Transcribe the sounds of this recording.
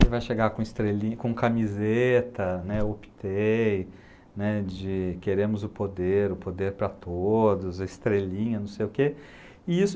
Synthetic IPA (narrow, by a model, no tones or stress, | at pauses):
ɪvajʃeɡakõɪst̪ɾelĩkõkamizet̪ɐnɛopi̥t̪ʰe | nɛd͡ʒɪkeɾẽmʊzʊpod̪eɾʊpod̪eɾpɾɐt̪od̪ʊzɐɪst̪ɾelĩɲɐnɐ̃w̃sejʊke | ɪisʊ